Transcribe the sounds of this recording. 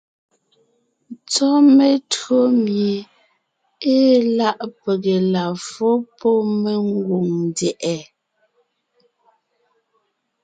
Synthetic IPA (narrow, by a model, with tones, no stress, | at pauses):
t͡sɔ˦me˦˨tɰo˦mje˨ | e˦la˦ʔpe˨ɣe˨la˨fo˦pɔ˦me˦ŋ˦ɡwu˨ŋndɛ˨ʔɛ˨